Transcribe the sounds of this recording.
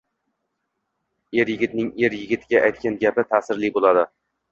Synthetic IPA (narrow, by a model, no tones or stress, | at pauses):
e̞ɾjɪɡʲɪt̪nɪŋeɾjɪɡʲɪt̪ʰɪɡʲaʔajt̪̚kʲanɡʲapɪt̪ʰasɪɾlɪbolˠad̪ɪ